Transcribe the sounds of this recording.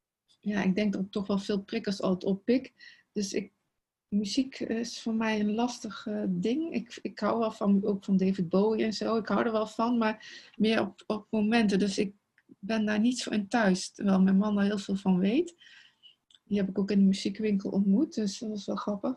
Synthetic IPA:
jaːɪɡ̚dɛŋk̚dɑtətːɔχʋɛlˠfɪːlˠprɪkəsɑ̰lˠətɔpːɪkd̥øsɪ̰k̚ | myzikɪsfʊːɹmɛjənlɑstəχdɪŋɪ̰kɪkɦawʋɛlˠvɑnowkfɑndejvɪd̚bowiɛnz̥owɪkɦʌwdəɹʋɛlˠv̥ɑnmaːɹmɪːɹɔ̰pɔp̚mowmɛntədɵsɪk̚ | bɛndaːɹnitso̰ʔɪntœɥstəʋɛlˠmɛjnmɑnɔɹɦɪːlˠv̥ɪːlˠvɑnʋejt | diɦɛpɪkowkɪndəmyzikʋɪŋkəlˠʔɔ̰ntmut̚d̥øsdɑtɪsʋɛlˠχrɑpəχ

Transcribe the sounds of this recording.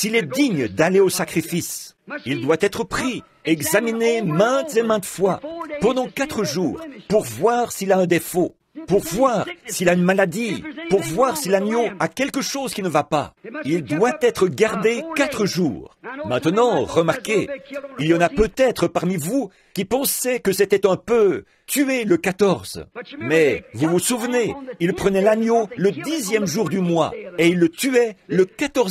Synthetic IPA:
silɛd̪iɲd̪aleosakχifisild̪wat̪ɛt̪χəpχi | ɛɡzaminemɛ̃t̪zemɛ̃t̪əfwapɑ̃d̪ɑ̃kat̪χəʒuːʁpuʁvwaʁsiilaɛ̃d̪efo | puʁvwaʁsiilaynmalad̪ipuʁvwaʁsilanjoakʲɛlkəʃozkʲinəvapa̰ild̪wat̪ɛt̪χəɡaʁd̪ekat̪χəʒṵːʁmɛ̃t̪ənɑ̃ʁəmaʁkʲeiljɑ̃napøt̪ɛt̪χəpaʁmivu | kʲipɑ̃sɛkəset̪ɛt̪ɛ̃pø | t̪ʰyeləkat̪ɔʁzmɛvuvusuvneilpχənɛlanjoləd̪izjɛmʒuʁd̪ymwa̰eilːət̪yɛləkat̪ɔʁ

